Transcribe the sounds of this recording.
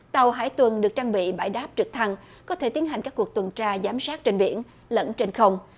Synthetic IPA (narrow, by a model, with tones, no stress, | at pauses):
t̪a˨˩wɦa̰ː˧˩jt̪wə˨˩nɗɨ˨˩ək̚t͡ɕaː˧ŋɓḭ˧˨ɓa̰ː˧˩jɗaː˦˥p̚t͡ɕɨ˨˩k̚t̪ʰa˧ŋ | kɔ˨˦t̪ʰe˧˩t̪i˨˦ənɦa˨˩jŋ̟kːkːu˨˩k̚t̪wə˨˩nt͡ɕaː˧zaː˨˦msaː˦˥t̚t͡ɕe˧nɓḭ˧˩ən | lə̰˧˥nt͡ɕe˧nxə˧wŋ͡m